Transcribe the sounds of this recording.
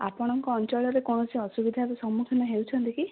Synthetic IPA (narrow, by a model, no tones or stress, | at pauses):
a̰pɔɽ̃ɔŋkɔːnt͡ʃɔɭɔɾekɔñɔsiɔsubid̪ʱaɾesɔmːukʰinɔɦewt͡ʃʰɔnt̪iki